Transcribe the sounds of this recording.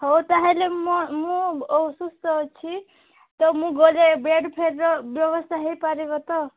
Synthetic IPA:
ɦɔwt̪aɦelemɔmũsust̪ɔt͡ʃʰi | t̪ɔmũɡɔlebeɖpʰeɾɾɔbjɔbɔst̪ʰaɦejpaɾiɡɔt̪ɔ

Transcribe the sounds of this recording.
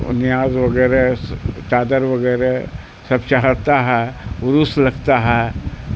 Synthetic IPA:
ʊ̰nɪjaːzʋɐɡɛːɾet͡ʃaːd̪əɾʋɐɡɛːɾe | sɐbt͡ʃaɦəɽt̪aɦɛːʊɾuslɐɡt̪aɦɛ

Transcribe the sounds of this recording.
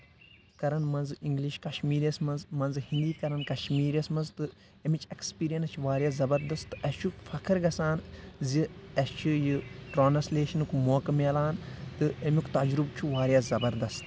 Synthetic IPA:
kɐɾɐnmɐnziŋɡliʃkɐʃmiːɾjɐsmɐnzmɐnzhĩnd̪iːkɐɾɐnkɐʃmiːɾjɐsmɐnzt̪ɨ | emit͡ʃʰekspiːɾijɐnt͡ʃʰʋaːɾʲjaːzɐbɐɾd̪ɐst̪ɨɐst͡ʃʰukfɐkʰɨɾɡɐsaːnziɐst͡ʃʰɨjɨʈɾoːnɐsleːʃɐnukmoːkɐmeːlaːnt̪ɨemʲukt̪ɐd͡ʒɾubt͡ʃʰuʋaːɾjaːzɐbɐɾd̪ɐst̪

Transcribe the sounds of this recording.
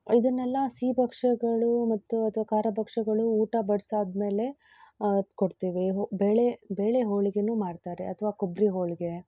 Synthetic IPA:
id̪ɐnːɛlːɐsiːbɐkʂɐɡɐɭumɐt̪ːuɐt̪ʰʋaːkaːɾɐbɐkʂɐɡɐɭuːʈɐbɐɽsaːd̪me̞ːle̞ | koɽt̪iːʋiɦbeːɭebe̞ːɭeɦoːɭiɡenuːmaːɖt̪aːɾe̞ɐt̪ʰɐʋaːkobɾiɦoːɭiɡe̞

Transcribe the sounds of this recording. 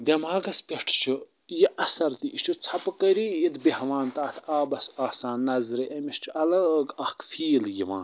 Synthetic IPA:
d̪ʲɐmaːɡɐspʲeʈʰt͡ʃʰu | jeʔɐsɐɾt̪iit͡ʃʰut͡sʰɐpkəɾiid̪behʋaːnt̪aːt̪ʰaːbɐsaːhsaːnːɐzɾeʔɐmiʃt͡ʃʰɐlɐɡɐkfiːljiʋã̰ːn

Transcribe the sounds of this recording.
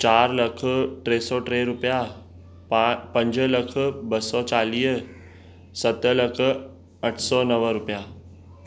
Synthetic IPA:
t͡ɕaːɾlɐkʰʈɾeːsɔʈɾeːɾʊpija | pɐ̃ɲd͡ʑəlɐk̆ʰbɐsɔt͡ɕaːliːɦ | sɐt̪əlɐkʰə̆ | ɐʈʰsɔnɐʋəɾʊpja

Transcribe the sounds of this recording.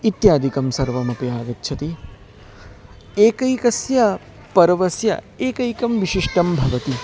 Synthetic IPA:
it̪jaːd̪ʱikɐmsɐɾʋɐmɐpɐjaːɡɐt̪ːʃʰɐt̪i | eːkɐjkɐsjɐ | pɐɾɐʋɐsjɐ̰ | eːkɐjkɐmʋiʃiʂʈɐmbʱɐʋɐt̪i

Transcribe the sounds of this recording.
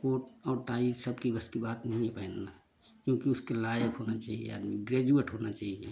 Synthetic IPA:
koʈɔːɾʈaisəbkibəskibat̪nəɦĩebəɦɛnːa | kjõkiuskelajəkɦonat͡ʃaɦijḛa̰d̪miɡɾed͡ʒueʈɦonat͡ʃaɦiḛ

